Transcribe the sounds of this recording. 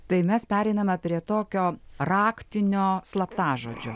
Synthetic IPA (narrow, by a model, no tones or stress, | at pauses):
t̪ɐɪmʲɛspʲæːɾʲɛɪnɐmɐpʲɾʲiɛt̪oːkʲoːrɑːkt̪ʲɪnʲoːslˠɐpt̪ɑːʒoːd͡ʒʲo̰